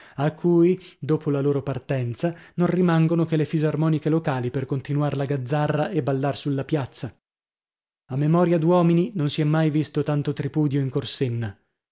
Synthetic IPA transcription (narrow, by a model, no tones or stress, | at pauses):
akʰːuj | d̪oːpolaloːɾopart̪ɛnt̪sanonrimaŋɡonokelːefizarmɔːnikelokaːliperkont̪inuaɾlaɡad̪zːarːaʔebːalːarsulːapjat̪sːa | amːemɔːɾjad̪wɔːmininonsiɛmːajvist̪ot̪ant̪ot̪ɾipuːd̪joiŋkorsenːa